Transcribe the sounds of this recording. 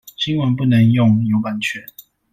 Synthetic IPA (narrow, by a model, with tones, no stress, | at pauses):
ɕi˦ŋwə˨˦npu˥˨nə˨˦ŋjʊ˥˨ŋjo˨˦ʊpa˨˥nt͡ɕʰɛ˨˩˦n